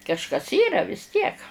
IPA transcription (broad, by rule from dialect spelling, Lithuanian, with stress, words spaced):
kɐʃˈkɐs ˈiːrɐ ʋʲɪs ˈtʲiɛk